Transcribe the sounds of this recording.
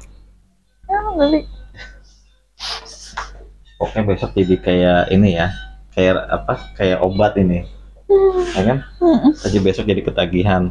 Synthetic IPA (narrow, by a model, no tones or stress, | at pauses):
jadali | okebesɔk̚d͡ʒadikajaḭnijakajara̰pakajaʔobat̪ini | akansad͡ʒabesɔk̚d͡ʒadikət̪aɡiɦan